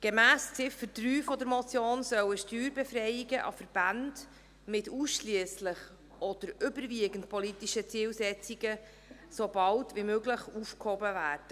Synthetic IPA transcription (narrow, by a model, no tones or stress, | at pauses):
ɡ̥emæːst͡sɪfətryːfɔd̪əɾmɔt͡sjoːnsœwəʃtyːɾbɛfɾɛjiɡəʔɑ̰fəɾb̥ɑnd | mɪtuːsʃliəsləχ | ʔɔd̥əɾʏbəɾviəɡ̥ənt̚pʰɔlitiʃət͡siːlsɛt͡siɡ̥ə | sobɑltvimøɡləχufkhobəvæːrd̥ə